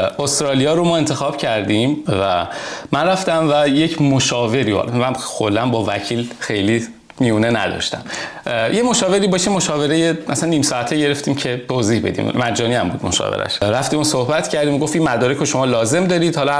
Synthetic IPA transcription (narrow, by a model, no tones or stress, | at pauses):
ost̪ɾɒːlijɒːɾomɒːe̞nt̪ʰe̞xɒːb̥cʰæɾd̪imvæmænræft̪æmvæje̞cʰmoʃɒːve̞ɾiɒ̰lmænxolːænbɒːvæcʰiːlxe̞jliː | miuːnenæ̰d̪ɒ̰ʃt̪æ̰mjemo̞ʃɒːve̞ɾiːbɒːʃimoʃɒːve̞ɾejeʔæsænːiːmsɒːæt̪ʰeɟe̞ɾe̞ft̪iːmcʰe̞t̪ʰoziːhbe̞̰d̪ḭmmæd͡ʒːɒːniæmbṵːd̪mo̞̰ʃɒ̰vḛɾæ̰ʃɾæft̪iːmosohbæt̪ʰcʰæɾd̪iːmɡoft̪imːæd̪ɒːɾekoʃomɒːlɒːze̞md̪ɒːɾiːd̪hɒlɒ